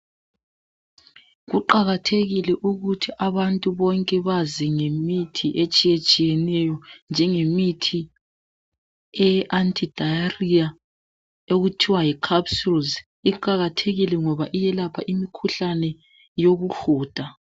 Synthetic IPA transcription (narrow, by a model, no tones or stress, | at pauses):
ɣuǃaɣatʰeɣilɛʔuɣutʰiʔaβantʼuβɔŋkʼɛβaziŋemitʰiʔet͡ʃʼijet͡ʃʼijɛnɛjɔnd͡ʒʱɛŋemitʰi | ɛʔantʰʼid̥ʱajaria | oɣutʰiwajikʰapsulz | iǃaɣatʰeɣilɛŋɔβaʔijɛlapʰaʔimikʰuɬanɛ | joɣuɬuːd̥ʱa